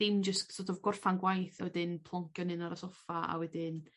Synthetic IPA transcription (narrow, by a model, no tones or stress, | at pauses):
imd͡ʒəsksɔdɔvɡʊrfanɡwajθawɛdɪnpʰlˠɔŋkʰjɔnɨnaɾasɔfaa̰wɛdɪn